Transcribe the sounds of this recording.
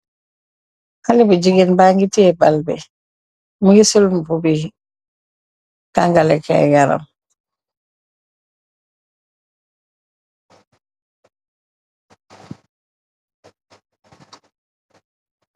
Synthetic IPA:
halibuɟiɡenbaŋɡitiɛbalbɛ̰ | muhisulmbubi | kaŋɡalɛkɛ̰ɡaɾa̰m

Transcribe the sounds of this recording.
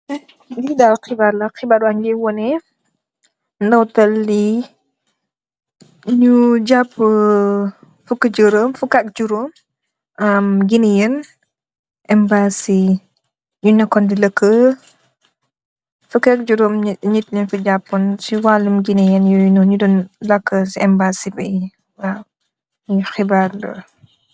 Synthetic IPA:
didalqibaɾlɐqibaːɾɐɲɡɛwɔnɛ | ndɐwtɐlːi | ɲud͡ʒapːə | fukɐd͡ʒəɾəmfukak̚d͡ʒuɾom | ɐmɡinɛjən | ʔɛmbaːsi | ɲunɐkːɔndilɐkʰːə | fukak̚d͡ʒuɾoːmɲitlɛnfuɟapːɔnsiwalːumɡinijənjunɔɲudɔnlɐkːəsiɛmbaːsibɛj | wa | xibaɾlə̰

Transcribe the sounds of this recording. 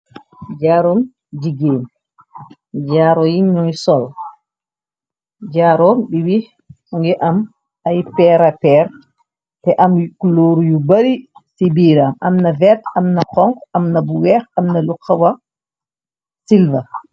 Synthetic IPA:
d͡ʒaːɾɔm | d͡ʒiɡeːn | d͡ʒaːɾɔjinɲːɔjsɔl | d͡ʒaːɾɔmɓiwi | ŋɡɛʔam | ajpɛɾapɛɾ | tɛʔamkuloɾujubaɾisibiːɾamamnavɛtamnakɔŋkamnabuwɛɾamnalukʰːawa | silva

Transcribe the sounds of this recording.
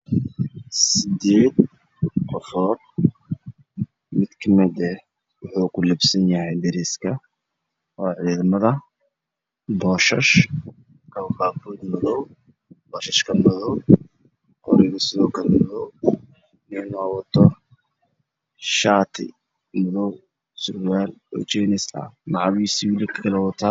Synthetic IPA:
sɪd̪eːd̪ | qɔfɔːd̪̚ | mɪd̪kʰɐmɛd̪ɛ | wʊħuːkʰʊlɪbsɐnjɐhɛjd̪ɪɾɪskʰɐ | ɔːʕiːðmɐðɐ | bɔːʃɐʃ | kʰɐbaːbuːd̪mɔðɔw | b̥ɔːʃɐʃkʰɐmɔðɔw | qɔ̰ɾɪɣɐsɪðɔːkʰɐlɐmɔðɔw | nɛnɔːwɐt̪ʰɔ | ʃaːt̪ʰɪ̰ | mɔðɔw | sʊrwaːlɔ̰ːt͡ʃɛnɪsɐ̰mɑʕɑβiːsɪwɪlɪkʰɐ̥kʰɐlɛwɐt̪ʰaː

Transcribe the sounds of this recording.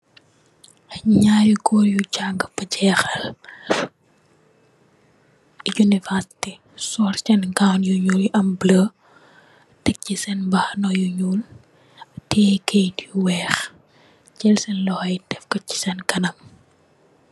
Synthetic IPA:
ɲaːjukɔɾjucaŋɡɐbɐɟɛːxɐl | junivɛɾsi̥ti | sɔɾt͡ʃɛnkawnjuɲuːlʔɐmblə | tɛk̚cisɛnbɐxnɔjuɲul | tʰɛkʰejduwɛːx | t͡ʃɛlsɛnlɔhɐjdɛfkɐci̥sɛnkɐnɐm

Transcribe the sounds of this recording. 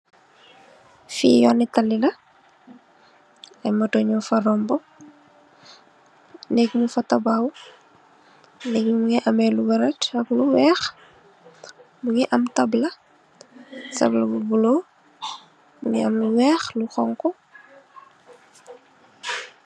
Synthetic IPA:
fḭːjɔnːitɐlːilɐ | ɐjmɐtoɲɔfɐɾɔmbɔ | nɛɡmufɐtɐbaːw | nɛɡumuŋɛʔɐmɛluɡɐɾɐtɐkluwɛːx | muŋɛʔɐmtɐblɐ | sɐ̰blɐbubulo | buŋɛɐmluwɛːxluxɔŋkɔ

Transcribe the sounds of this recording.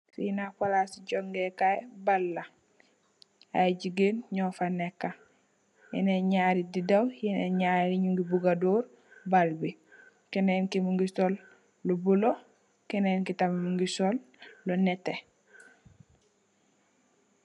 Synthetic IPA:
sinapalasiɟoŋɡɛkaɛbalːa | a̰ɟiɡenɲɔfanɛkːa | jɛneɲaːɾididawjɛneɲaːɾiɲuŋɡibuɡadoːɾ | balbi | kɛnenkimuŋɡisɔlː | obulo | kɛnenkitamimuŋɡisɔlː | onɛtːe

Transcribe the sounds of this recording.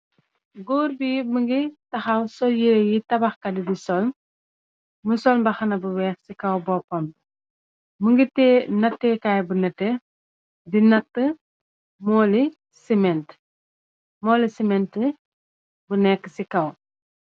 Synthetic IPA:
ɡuːɾbiməŋɡitɐxɐwsɔljiɾejitɐbɐxkɐdidisɔlm | məsɔlmbɐxɐnɐbuwɛːxsikɐwbɔpːɔm | məŋɡitɛnɐtːɛːkaːjbunɛtːɛ | dinɐtːə | mɔːli | simɛnt | mɔːlisimɛntə | bunɛkːə̥sikɐw

